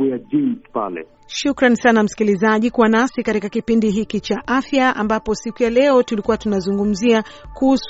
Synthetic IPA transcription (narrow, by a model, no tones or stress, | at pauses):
ujad͡ʒinspa̰lɛ̰ | ʃukɾansanam̩si̥kilizaʄikuwanasikatikakipindiɦikit͡ʃaʔafjaa̰mbapɔsikujalɛɔtulikuwatunazuŋɡum̩ziakuhus